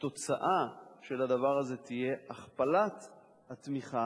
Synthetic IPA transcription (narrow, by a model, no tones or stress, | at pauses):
t̪o̞t͡saʔaʃe̞lad̪avaʁaze̞t̪ije̞aχpalat̪ | hat̪miχa